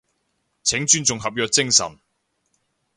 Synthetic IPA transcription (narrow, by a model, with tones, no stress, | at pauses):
t͡sʰɪ˨˥ŋt͡ʃyː˥nt͡sʊ˨ŋɦɐ˨p̚jœː˨˧k̚t͡sɪ˥ŋsɐ̰˨˩n